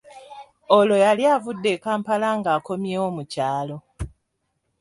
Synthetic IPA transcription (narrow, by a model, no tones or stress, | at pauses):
olo̞jaljaːvudːe̞kaːmpalaŋɡaːko̞mjeːwo̞ːmucaːlo̞